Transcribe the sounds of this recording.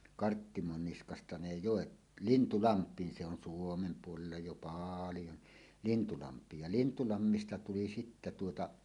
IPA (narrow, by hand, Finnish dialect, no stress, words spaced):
kɑrtːimonːiskɑstɑ ne joˑet lintulɑmpˑiːn se on suomem puolelːɑ jo pɑːljo ni lintulɑmpˑiːj jɑ lintulɑmːistɑ tuli sitːæ tuotɑ